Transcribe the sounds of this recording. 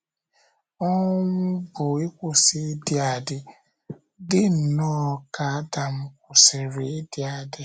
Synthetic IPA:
ɔ˦nʊ˦bʊ˨e˦kʷʊ˨sɪ˦dɪ˨˦a˨dɪ˦ | dɪ˦n̩˨nɔː˦˨ka˨˦da˨m̩˦kʷʊ˨se˨ɾe˨˦dɪ˦a˨dɪ˦

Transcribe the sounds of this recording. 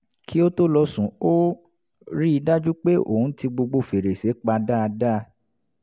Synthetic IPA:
kʰi˦o˦to˦lɔ˧sũ˨˦o˦ | ɾi˦i˧da˦d͡ʒu˦k͡pe˦o̰˦˨ũ˨˦ti˧ɡ͡bo˧ɡ͡bo˧fe˨ɾe˨se˨˦k͡pa˧da˦a˧da˦˧

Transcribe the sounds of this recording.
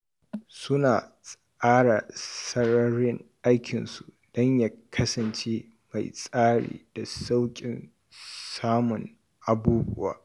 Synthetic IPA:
sʊ˦naː˨sʼ | aː˦ɽa̰˨sɐ˦ɾɐ˦ɾɪ˦ŋʔa˦jkʲʰɪ˨nsu˨ | d̥ɔ˦ɲja˦kʰɐ˦sɐ˨nt͡ʃeː˦ | ma˨jsʼaː˦ɽḭː˨d̥a˨sa˦wkʲʼɪ˨n | saː˦mʊ˨ŋ | ʔa˨buː˦bʊ̰˦wa̰ː˦

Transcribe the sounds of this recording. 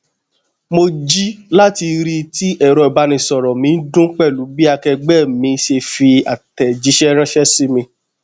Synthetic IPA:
mo˧d͡ʒi˦la˦ti˧ɾi˧ti˦ʔɛ˦˨ɾɔ˧i˨ba˨˦nĩ˧˨sɔ˨ɾɔ˨mĩ˨˧n̩˦dũ˦k͡pɛ˦˨lu˨˦bi˦a˧kɛ˧ɡ͡bɛ˦˨mĩ˧ʃe˧fi˧a̰˨tɛ˨d͡ʒi˧˦ʃɛ˦ɾã˦ʃɛ˦si˦mĩ˧

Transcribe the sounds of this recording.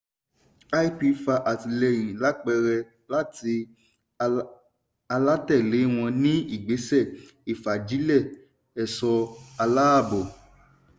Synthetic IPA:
a˦i˦pi˧fa˧ʔa˨ti˧lɛ˧˨j̃ĩ˨la˨˦k͡pɛ˧ɾɛ˧ | la˦ti˧ | a˧la˦tɛ˦˨le˨˦w̃ɔ̃˧nĩ˦i˦˨ɡ͡be˨˦sɛ˦˨ | i˨fa˨d͡ʒi˨˦lɛ˦˨ | ɛ˨sɔ˧a˧la˦a˦˨bo˨

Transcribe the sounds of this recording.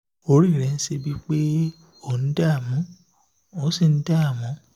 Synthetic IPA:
o˦ɾi˦˨ɾɛ˨˦n̩˦se˧bi˦k͡pe˦ | o˦˨ñ̩˦da˦˨mũ˨˦ | o˦si˦˨n̩˦daː˦˨mɔ̃˨˦

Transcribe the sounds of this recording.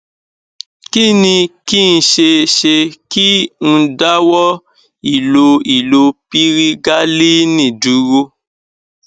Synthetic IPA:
ki˦nĩ˧ki˦n̩˧ʃe˧ʃe˧ki˦n̩˧da˦wɔ˦ | i˨lo˧i˨lo˧pi˦ɾi˦ɡa˦li˦nĩ˦˨du˨˦wo˦

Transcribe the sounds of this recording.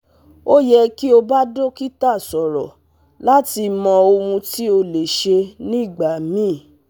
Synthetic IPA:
o˦jɛ˧ki˦o˧ba˦do˦ki˦ta˦˨sɔ˨ɾɔ˨ | la˦ti˧mɔ̃˧o˧ũ˧ti˦o˧le˨ʃe˧nĩ˦˨ɡ͡ba˨mĩ˦˨

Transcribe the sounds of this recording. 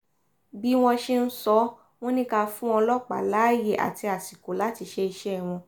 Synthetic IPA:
bi˦w̃ɔ̃˧ʃe˦n̩˦sɔ˧˦ | w̃ɔ̃˦nĩ˦ka˧fũ˦ɔ̃˧lɔ˦k͡pa̰˨laː˨˦je˨ʔa̰˨ti˧a˨si˨ko˨˦la˨˦ti˧ʃe˧i˧ʃɛ˦˨w̃ɔ̃˧

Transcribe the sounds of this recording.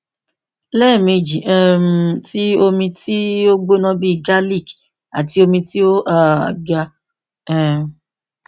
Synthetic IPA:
lɛ˦˨mĩ˧d͡ʒi˨ʔɛ˨m˨ti˦o˧mĩ˧ti˦o˦ɡ͡bo˦nɔ̃˦bi˦˨ɡa˦li˦˨k | a˨ti˧o˧mĩ˧ti˦o˦ʔa˨ɡa˧ | ɛ˨

